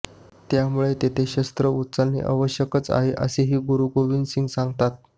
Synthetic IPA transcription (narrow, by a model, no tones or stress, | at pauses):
t̪jamuɭet̪et̪ʰeɕəst̪ɾəut̪t͡sanːḛʔə̰ʋəɕjəkət͡sa̰ɦeʔə̰seɦiːɡuɾuɡoʋinsiŋɡsaŋɡt̪at̪̚